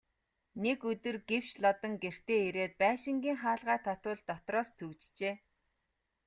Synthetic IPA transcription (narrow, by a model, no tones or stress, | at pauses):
nekɵt̪ɵ̆rɡew̥t͡ɕɮɔt̪ɞ̆ŋɡer̥t̪eːeɾeːt̪̚pæːʃɪ̆ŋɡʲiːŋχaːɮʁæːt̪ʰɔt̪ʊːɮt̪ɔt̪rɔːst̪ʰɵkt͡ɕt͡ɕeː